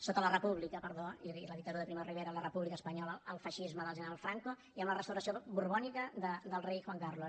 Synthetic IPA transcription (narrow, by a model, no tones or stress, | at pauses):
sot̪ələrəpuβlikəpəɾðoiiləðik̚t̪əɾuðəpɾimoriβeɾələrəpuβlikəspəɲɔləːlˠfəʃizməðəlˠʒənəɾalˠfɾaŋko | iəmlərəst̪əwɾəsiobuɾβɔnikəd̪əd̪əlˠrejxwaŋkarlo